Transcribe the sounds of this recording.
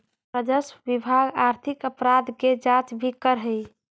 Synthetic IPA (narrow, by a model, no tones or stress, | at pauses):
ɾəd͡ʒəsʋibʱaɡaɾt̪ʰikəpɾad̪ked͡ʒat͡ʃbʱikəɾɦəj